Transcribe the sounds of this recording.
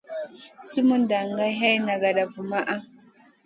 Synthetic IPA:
si˦mu˦n˦da˨ŋɡa˦ɦa˦i˦na˨ɡa˨ɗa˨vu˨ma˦ʔa˦

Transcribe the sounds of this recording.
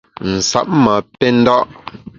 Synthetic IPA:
n̩˨sa̰˦˨p̚mə˨pɛ˦n̩˦dɔ˦ʔ

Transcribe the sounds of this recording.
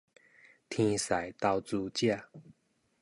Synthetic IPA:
t̪ʰĩ˧sa˨˩jt̪a˧wt͡su˧t͡ɕja˥˧˨

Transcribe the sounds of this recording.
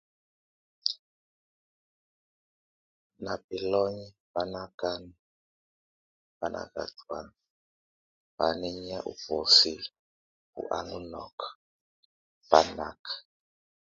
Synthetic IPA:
na˨bi˨lɔ˦ɲi˦ba˦na˦ka˦ni˨ | ba˨nʔa̰˨ka̰˨twa˦˨n | ba˨ni˦ɲa˦ʔṵ˨bɔ˨si˦l | ṵ˨ʔa̰˨ŋu˦nɔ̰˨k | ba˨˦na˨kʰḁ

